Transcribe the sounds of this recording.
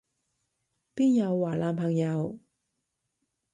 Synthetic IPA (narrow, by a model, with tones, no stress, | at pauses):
piː˥njɐ˨˧wːaː˨˩laː˨˧npʰɐ˨˩ŋjɐ˨˧w